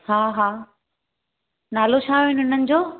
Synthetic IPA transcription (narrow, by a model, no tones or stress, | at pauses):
haːɦaː | naːlot͡ɕʰaːɪnɦʊn̤ənɪ̆d͡ʑoː